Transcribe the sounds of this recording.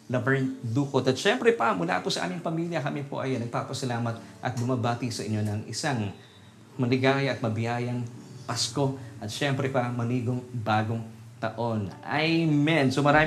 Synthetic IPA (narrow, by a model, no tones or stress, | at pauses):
lɐvɛɹnd̪uːkot̪ɐt̪ʃɛmpɾɛpɐmʊla̰pʊsɐʔa̰ːmɪŋpɐmiljɐkɐmipʰo̰ʔɐjonːɐɡ̚papɐsɐlaːmɐt̪̚ʔɐ̰t̪̚bʊmɐbaːt̪ɪsɐʔɪ̰ɲːo̞nɐŋʔɪ̰saŋ | mɐnɪɡaːjʔɐt̪̚mɐbɪjaːjɐŋpɐsko̞ʔɐt̪ʃɛmpɾɛpɐmɐniːɡoŋbaːɡoŋt̪ɐ̰ʔo̞nʔa̰jmɛnsomɐɾaː